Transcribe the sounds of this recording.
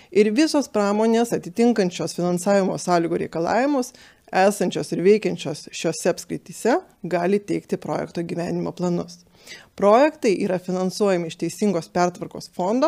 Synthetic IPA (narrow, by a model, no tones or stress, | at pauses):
ɪɾʋʲɪsoːspɾɑːmoːnʲeːsɐt̪ʲɪt̪ʲɪŋkɐnʲt͡ʃʲoːsfʲɪnɐnsɑːʋʲɪmoːsɑːlʲiːɡoːɾʲɛ̰ɪkɐlˠɑ̰ːʋʲɪmʊs | æːsɐnʲt͡ʃʲoːsɪɾʋʲɛɪkʲɛnʲt͡ʃʲoːsʃʲoːsʲɛɐpskɾʲɪt̪ʲiːsʲɛ | ɡɑːlʲɪt̪ʲɛɪkt̪ʲɪpɾoːjɛ̰kt̪oːɡʲiːʋʲæːnʲɪmoːplˠɐnʊs | pɾoːjɛkt̪ɐɪʔiːɾɐfʲɪnɐnsuɔjɛmʲɪɪʃt̪ʲɛɪsʲɪŋɡoːspʲɛɾt̪ʋɐɾko̰ːsfond̪oː